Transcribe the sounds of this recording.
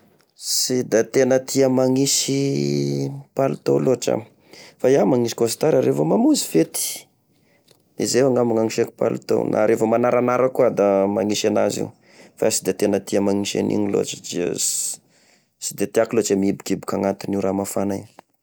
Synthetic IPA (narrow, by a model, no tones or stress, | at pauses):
sid̪at̪enət̪ʰiəmaŋisi | palut̪o̰loʈ͡ʂa̰m | fajamaŋiʃi̥kost̪aɾaɾevəmamuzifet̪i̥ | ezewaŋamuŋaŋiʃeki̥pa̰lṵt̪o̰wnʔa̰ɾʔefəmanaɾanaɾakuad̪amaŋiʃana̰zḭu | fa̰sid̪at̪enət̪iəmaŋiʃa̰nʔḭɲilo̰ʈ͡ʂə̥d͡ʒḭ | sid̪et̪iakilot͡samiibukibukaŋat̪uniuɾamafanai